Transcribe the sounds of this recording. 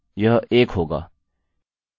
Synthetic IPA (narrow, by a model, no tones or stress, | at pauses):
jəɦʔeːkɦoːɡa̰ː